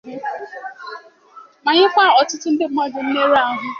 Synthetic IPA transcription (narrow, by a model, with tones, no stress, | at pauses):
ma˨ɲɪ˦kʷa˦˨ɔ˨tʊ˦tʊ˦n̩˦dɪ˦mɔ˦dɪ˨m̩˦me˦ɾa˦ɦʊ˦